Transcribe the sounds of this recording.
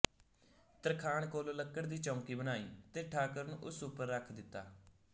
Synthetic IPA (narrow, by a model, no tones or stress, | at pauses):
t̪əɾkʰaːɳkoːloːləkːəɽd̪iːt͡ʃɔ̃ːŋkiːbənaːiːt̪eːʈʰaːkəɾnṵ̃ːʔʊsuːpəɾːəkʰd̪ɪt̪ːaː